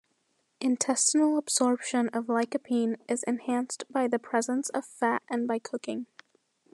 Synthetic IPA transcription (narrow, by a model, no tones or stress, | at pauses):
ʔɨ̃ntʰɛstn̩l̩ˠəb̥z̥ɔɹpʃɨ̃nʌvlaɪkɨpʰĩnʔɪzɨ̰̃nhæ̃nstb̥aɪðɨpʰɹ̥ɛzə̃nsʌv̥fæɾɨ̃nbaɪkʰʊkɪ̰̃ŋ